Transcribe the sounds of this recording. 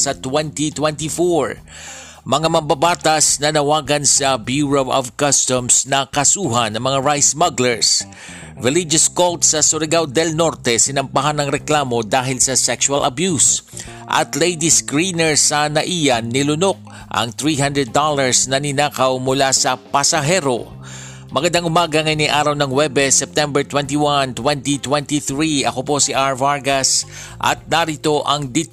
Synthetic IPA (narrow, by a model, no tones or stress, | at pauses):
sɐt̪wɛnt̪it̪wɛnt̪ifoɹ | mɐŋamɐmbabaːt̪ɐsnɐnɐwaːɡɐnsɐbjuːɹowʔɔ̰vkɐst̪ɔmsnɐkɐsuːɦɐnɐŋmɐŋaɹajsmɐɡlɛɹs | vɪlɪd͡ʒɐskolt̪sɐsʊɾɪɡawd̪ɛlno̞ɾt̪ɛsɪnɐmpaɦanɐŋɾɛklaːmo̞d̪aːɦɪlsɐsɛkʃʊɐlʔɐ̰bjus | ʔɐ̰t̪lejd̪iskɹinɛɹsɐnɐʔijɐnːɪlʊno̞k̚ | ʔɐ̰ŋt̪ɾiɦãnd̪ɹɛd̪ːolɐɹsnɐnɪnaːkɐwmʊlasɐpɐsɐɦɛɾo̞̰ | mɐɡɐnd̪aŋʔʊmaːɡɐŋɐjniʔaːɾɐwnɐŋwɛbɛsɛp̚t̪ɛmbɛɹt̪wɛnt̪iwant̪wɛnt̪it̪wɛnt̪iθɹiɐko̞po̞siʔaɹvaɹɡɐs | ʔɐ̰t̪̚nɐɾit̪o̞ʔɐŋd̪i